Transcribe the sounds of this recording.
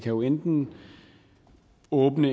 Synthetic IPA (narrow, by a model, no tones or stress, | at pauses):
kʰæjo̝end̥n̩ | ɔ̽ːb̥nə